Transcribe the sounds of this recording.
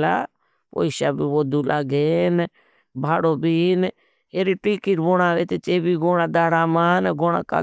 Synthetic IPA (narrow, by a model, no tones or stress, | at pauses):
la̰ː | po̰iʃaːbiːʋoːd̪uːlʔaːɡeːn | bʱaːɽoːbiːn | eːɾiːʈiːkiɾboːɽaːʋeːt̪et͡ʃeːbiːɡoːɽaːd̪aːɽaːmaːnɡoːɽa̰ːka̰